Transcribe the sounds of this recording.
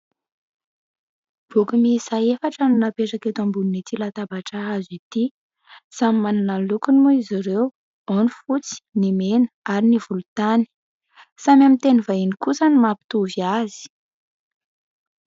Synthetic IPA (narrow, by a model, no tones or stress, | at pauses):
b̥ukumisaefaʈ͡ʂəninapeʈ͡ʂaket̪ambununit̪ilat̪abaʈ͡ʂaazit̪i | samimananalukunimuiziɾew | onifut͡si̥nimenəaɾinivulut̪ani̥ | samʲamint̪enivainikusanimapi̥t̪uviazi̥